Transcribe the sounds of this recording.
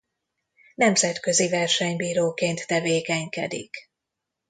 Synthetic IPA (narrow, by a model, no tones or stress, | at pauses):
nɛmzɛt̪kø̞zivɛrʃɛɲbiːɾoːkeːnt̪ːɛveːkɛɲkɛd̪ḭk